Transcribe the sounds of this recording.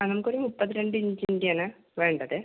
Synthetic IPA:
ɐnɐmukːoɾimupːɐðːiɾe̞ɳɖɨiɲd͡ʑiɲdjɐnɨ | ʋe̞ːɳɖɐðɨ

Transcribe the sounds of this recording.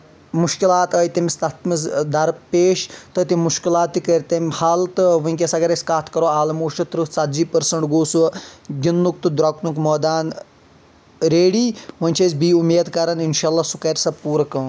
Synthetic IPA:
muʃkilaːt̪əːjt̪ɐmist̪ɐt̪mɨsd̪ɐɾpeːʃt̪ɨt̪imuʃkilaːt̪ːikɾɐɾʲt̪ɐmʲhaːlt̪ɨʋɨiŋʲk̬ʲesɐɡɐɾɐsʲkaːt̪ʰkɐɾoːaːlɐmoːʃʈɐt̪ɾɨsɐt̪d͡ʒiːpɐɾsɐɳʈɡoːsuɡʲinːuk̚t̪ɨd̪ɾɐknukmɐːd̪aːn | ɾeːɽiːʋɐnʲt͡ʃʰezbiːumeːd̪kɐɾɐninʃaːlːasukɐɾʲsɐb̚puːɾɐkɐː

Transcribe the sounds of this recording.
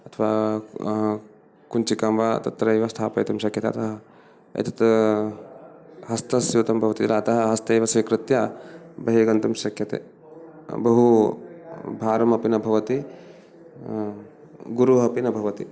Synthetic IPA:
ɐt̪ʰɐʋaː | kunt͡ʃikamʋaːt̪ɐt̪ɾɐjʋɐst̪ʰaːpɐjt̪ɐmʃɐkʰjɐt̪ḛːt̪ɐɦɐ | ɐ̰t̪ɐ̥t̪ | ɦɐst̪ɐsjuːt̪ɐmbʱɐʋɐt̪it̪ɾaːt̪ɐɦɐɦɐst̪ɐjʋɐsʋikɾɪt̪jabɐɦeːɡɐnt̪ɐmʃɐkʰjɐt̪ḛ | bɐɦu | bʱaːɾɐmɐpinɐbʱɐʋɐt̪i | ɡuɾuɦɐpinɐbʱɐʋɐt̪i

